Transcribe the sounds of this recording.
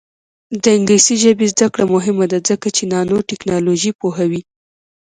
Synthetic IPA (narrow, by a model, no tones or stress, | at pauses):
d̪əɪŋɡlisiʒəbezd̪akɽamʊɦɪmad̪azəkat͡ʃenɑnoʈɛknɑloʒipoɦawi